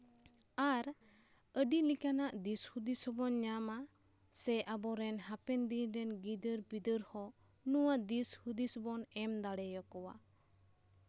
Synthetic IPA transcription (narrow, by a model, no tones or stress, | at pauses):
aɾ | əɖilikanaʔd̪ishud̪isɔbɔnɲama | sɛʔabɔɾɛnɦapɛnd̪iɾɛnɡid̪əɾbid̪əɾhɔnuwaʔd̪ishud̪isɔbɔnɛmd̪aɽɛjɔkɔwa̰